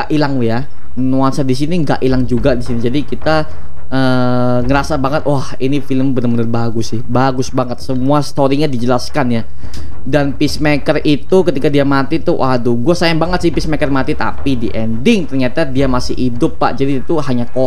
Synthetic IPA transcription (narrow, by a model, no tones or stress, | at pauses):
aʔilaŋja | nuansadis̬iniŋɡa̰ʔilaŋd͡ʒuɡadisinid͡ʒadikit̪a | ʔəː | ŋəɾasabaŋət̪̚wahinifiləmbənərbənərbaɡʊsɪhbaɡʊsbaŋət̪̚səmuast̪oɾiɲadid͡ʒəlaskanja | danpismɛkərʔit̪ukət̪ikadiamat̪it̪uwʔaduɡuasajaŋbaŋət̪sɪhpismɛkərmat̪it̪a̰pidiʔɛndɪŋt̪ərɲat̪adiamasɪ̰hidʊpːa̰ʔd͡ʒadit̪uhaɲako